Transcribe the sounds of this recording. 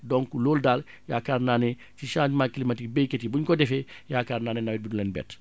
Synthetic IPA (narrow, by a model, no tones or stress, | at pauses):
dɔŋkuloːldaːl | jaːkaːɾnaːne | tiʃãːd͡ʒmaːkilimatik̚bejketibuɲkɔdɛfejaːkaːɾnaːnɛnawɛt̚bidulɛnbɛ̰ːt